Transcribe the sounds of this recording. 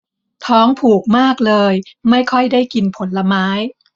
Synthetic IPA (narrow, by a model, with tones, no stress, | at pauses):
t̪ʰɔː˦˥ŋpʰuː˨˩k̚maː˥˩k̚lɤː˧jma˥˩jkʰɔ˥˩jdaː˥˩jki˧npʰo˩˦nla˧maː˦˥j